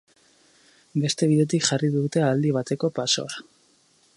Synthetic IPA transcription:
be̞st̪e̞β̞iðe̞t̪ikʝariðut̪e̞ald̪iβat̪e̞ko̞paso̞̰a

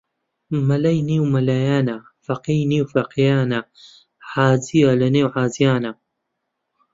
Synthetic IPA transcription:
mɐlɐjniwmɐlaːjaːna | fɐqijniːwfɐqijaːna | ħaːzijalɐneːwʕaːzijaːnɐ

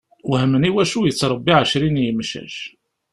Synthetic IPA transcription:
wɦəmːəniwæʃujət͡sːɾˤəbːiʕəʃɾinjəmʃæ̰ʃ

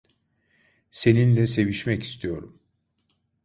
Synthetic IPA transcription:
se̞ninlʲɛse̞viʃmɛci̥st̪ʰijo̞ɾum

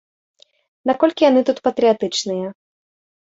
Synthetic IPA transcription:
nakɔlʲkʲijanɨt̪ut̪pɐt̪ɾɨjat̪ɨt͡ʂnɨjɐ

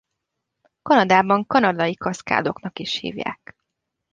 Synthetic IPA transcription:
kɒnɒd̪aːbɒŋkɒnɒd̪ɒjikɒska̰ːd̪o̞knɒkiʃhḭːvja̰ːk

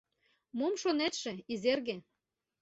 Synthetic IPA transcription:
momʃonet̪ʃĕizerɣĕ

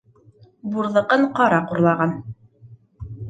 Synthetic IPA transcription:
buɾðˠɤ̆qɤɴqɑɾɑquɾlˠɑʁɑn

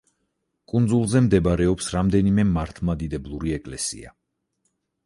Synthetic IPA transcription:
kʼund̪zulˠzɛmd̪ɛbɾɛɔpsɾamd̪ɛnimɛmaɾt̪ʰmad̪id̪ɛblˠuɾiɛkʼlɛsḭa̰

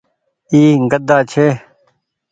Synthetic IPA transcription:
iːɡəd̪aːt͡ɕʰeː

